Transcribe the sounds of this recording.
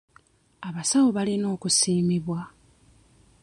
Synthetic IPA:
aβasawoβalino̞ːkusiːmiβwa

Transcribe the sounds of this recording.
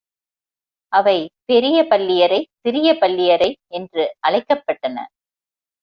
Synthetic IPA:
ʔɐʋɐɪpɛɾɪjɐpɐlːɪjɐɾɐɪt̪ɪɾɪjɐpɐlːɪjɐɾɐɪɛndrɯʔɐɻɐɪkːɐpːɐʈːɐnɐ̰

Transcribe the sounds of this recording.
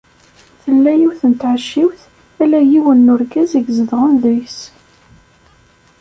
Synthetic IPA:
θəlːæjiwθənt̪ʕəʃːiwθ | ælæjiwənːʊɾɡæziɡzəðʁənðəjs

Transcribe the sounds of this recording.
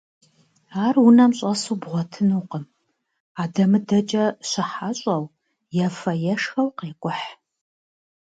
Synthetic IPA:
aːrwʊnɐmɕʼɐsuːbʁʷɔtʰɨnuːqəm | aːdɐmɨdɐt͡ʃʼɐɕɪħaɕʼɐw | jafɐjɛʂxɐwqeːkʷʼʊħ

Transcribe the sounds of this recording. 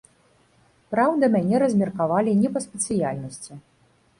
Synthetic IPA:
pɾawd̪ɐmʲanʲɛɾɐzʲmʲɛrkavalʲinʲɛpɐsʲpʲɛt̪sɨjalʲnɐsʲt͡sʲi

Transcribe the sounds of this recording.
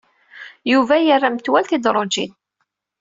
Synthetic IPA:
juvæjərˤːamt̪wælθid̪ɾˤod͡ʒḭn

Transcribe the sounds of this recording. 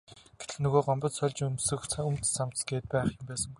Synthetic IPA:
ɡ̥et̪ɘ̆xnɵɣoːɢɔmpɞ̆t̪sœɮʲt͡ɕunsɵ̆xɵmt̪sam̥t̪sɡeːt̪̚pæːχjɪ̆mpæːsə̆ŋɡuj

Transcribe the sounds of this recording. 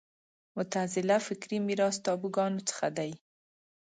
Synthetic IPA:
mʊt̪azɪlafɪkɾimiɾɑst̪ɑbuɡɑnot͡sə̥xad̪aj

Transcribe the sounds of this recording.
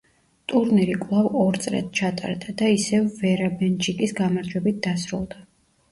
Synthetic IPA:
t̪ʼuɾniɾikʼlˠavɔɾt̪sʼɾɛ̰t̪̚t͡ʃʰat̪ʼa̰ɾd̪ad̪aisɛvːɛɾabɛnt͡ʃʰʼikʼisɡamaɾd͡ʒwɛbit̪̚d̪asɾṵlˠd̪a

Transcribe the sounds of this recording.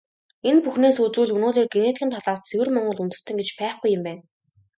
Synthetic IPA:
enpuxneːsut͡suːɮɵnoːt̪eːrɡenet̪xʲɘ̆nt̪ʰɔɮaːst͡sʰewɘ̆rmɔɴɢɞ̆ɮunt̪ɘ̆st̪ɘ̆ŋɡet͡ɕpæːχɡujːɪ̆mpæːn

